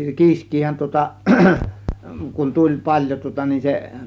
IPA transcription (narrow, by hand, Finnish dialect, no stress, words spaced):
kiːskˑiːhæn tŭŏtɑ kun tulʲ pɑlʲjo tŭŏtɑ nin se